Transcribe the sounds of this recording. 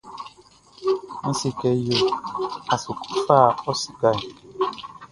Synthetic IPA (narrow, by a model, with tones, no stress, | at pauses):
m̩˦si˨kɛ˨jo˨a˨su˨ku̥˦faː˦˨ɔ˦si˨ka˦˨j